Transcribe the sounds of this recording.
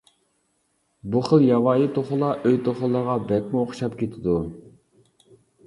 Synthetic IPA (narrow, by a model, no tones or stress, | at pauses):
buχəlˠjɑwɑːjit̪ʰoχʊlˠɑʔøjt̪ʰoχʊlˠːəʁɑbɛk̚ʲmʊoχʃɑpkʲʰet̪ʰɪd̪u